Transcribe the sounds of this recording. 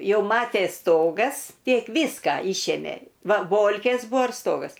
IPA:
ˈjɛʊ ˈmɑːtʲeːs ˈstoːɡɐs ˈtʲiɛk ˈʋʲiːskɐ ˈiːʃʲeːmʲeː ˈʋɐ ˈboːlʲkʲeːs ˈbuɔ ɪr ˈstoːɡɐs

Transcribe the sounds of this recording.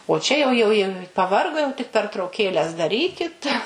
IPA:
oː ˈt͡ʃʲɛ jɛʊ ˈjɛʊ jɛʊ pɐˈʋɐrɡoː jɛʊ tʲɪk pʲɛrtrɐʊˈkʲeːlʲɛs dɐˈrʲiːkʲɪt

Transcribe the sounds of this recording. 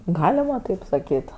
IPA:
ˈɡɑːlʲɪmɐ tɐɪp sɐˈkʲiːt

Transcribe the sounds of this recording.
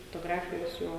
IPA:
foːtoːˈɡrɑːfʲɪjɛ ʋʲɪˈsuː

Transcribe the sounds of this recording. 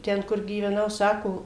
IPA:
ˈtʲɛn kʊr ɡʲiːʋʲɛˈnɐʊ ˈsɑːkoː

